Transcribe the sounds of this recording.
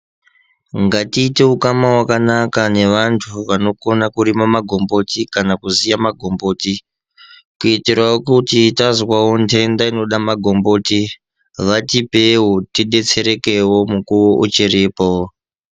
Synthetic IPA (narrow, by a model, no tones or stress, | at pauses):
ŋɡatiːte̞ukamawakanakane̞ʋantʰuʋano̞ko̞nakuɾimamaɡʱo̞mbo̞tikanakuzijamaɡʱo̞mbo̞ːti | kuitiraokutitazwawontʰe̞ndaino̞ɗamaɡʱo̞mbo̞ːti | ʋatipe̞wotiɗe̞t͡se̞ɾe̞ke̞wo̞mukuwoʔut͡ʃiriːpo